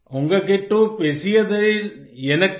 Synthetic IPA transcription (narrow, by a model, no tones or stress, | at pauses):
ʊŋɡɐkeːʈːupeːsɪjɐðɐɛnɐkː